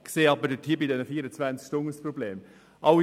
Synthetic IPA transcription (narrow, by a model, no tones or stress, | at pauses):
kseːɑbədətʰiːbidɛnəfiːəɾət͡svænt͡skʃtʊŋəsprobleːm | ʔɑʊ